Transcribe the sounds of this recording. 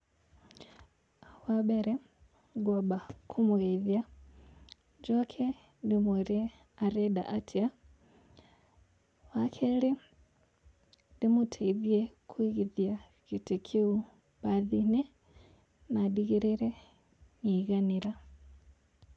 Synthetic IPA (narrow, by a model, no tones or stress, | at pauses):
wabeɾɛ | ɡobakʰumuɣeiðja | d͡ʒokʰe | dimuɾi | aɾeda̰ʔatʰia | wakʰeli | dimutʰeiðjekʰwiɣiðja | kitikʰiu | baðini | nadiɣiɾiɾɛ | niɣaniɾa